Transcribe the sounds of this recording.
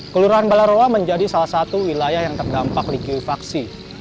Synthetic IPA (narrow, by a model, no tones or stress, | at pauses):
kəluɾaɦanbalaɾowaməɲd͡ʒadisalahsat̪uwilajahjaŋt̪ərdampak̚likiifaksi